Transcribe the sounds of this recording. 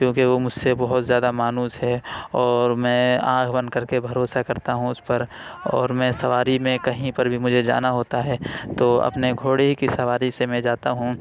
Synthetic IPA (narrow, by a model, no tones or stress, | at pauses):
kjõːkeʋomʊd͡ʒʱsebɐɦʊt̪zjaːd̪amaːnuːsɦɛɔːɾmɛ̃ːã̰ːkʰbɐ̃nd̪kɐɾkebʱɐɾoːsakɐɾt̪aɦũʊspɐɾ | ɔ̰ːɾmɛ̃ːsɐʋaːɾimẽkɐɦĩpɐɾbʱimʊd͡ʒʱed͡ʒa̰ːnaɦoːt̪aɦɛːt̪oːɐ̰pneɡʱoːɽeɦikisɐʋaːɾisemɛ̃d͡ʒaːt̪aɦũ